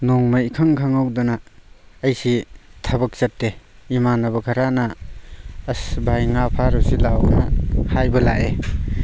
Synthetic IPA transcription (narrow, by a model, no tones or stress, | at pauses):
nɔŋmaikʰaŋkʰaŋawdɐnaː | jsitʰɐbɐk̚t͡ʃɐtːe | imanabɐkʰaɾanaː | sbajŋapʰaɾusilawnahajbɐlaʔe